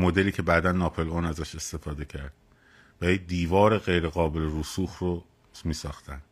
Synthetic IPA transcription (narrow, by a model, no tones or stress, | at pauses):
mo̞d̪e̞liːcʰe̞bæːd̪ænːɒːpʰelonæzæʃe̞st̪e̞fɒːd̪e̞cʰæɾd̪̥̚ | vælid̪iːvɒːɾe̞ɣe̞jɾe̞ɣɒːbe̞leɾuːsuːxro | miːsɒːxt̪ʰænd̪̥